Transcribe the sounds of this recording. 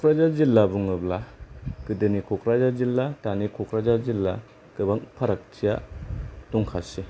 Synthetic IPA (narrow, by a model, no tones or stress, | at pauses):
kʰɔkɾazazilːabuŋɯblakɯdɯnikʰɔkʰɾazazilːatanikʰɔkʰɾazazilːa | kɯbaŋpʰaɾak̚tʰija | tɔŋkʰasi